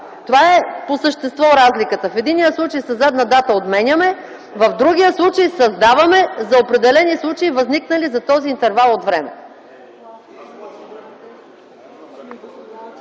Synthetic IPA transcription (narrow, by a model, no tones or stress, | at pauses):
t̪ovaɛposəʃt̪ɛst̪vɔɾazlikət̪əfɛd̪inːijəslˠut͡ʃəjsɐzad̪nəd̪at̪əot̪mɛnʲəmɛ | vɐfd̪ɾuɡʲijəslˠut͡ʃəjsɐzd̪avɐmɛzɐopɾɛd̪ɛlɛnislˠut͡ʃəivɐzniknəlizɐt̪ɔziːnt̪ɛɾvalˠot̪vɾɛmɛ̰